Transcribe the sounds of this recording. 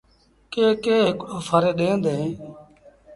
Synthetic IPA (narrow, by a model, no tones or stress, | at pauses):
keːkeːɦeːkoːfʰaɾeːɗeːnd̪eːẽː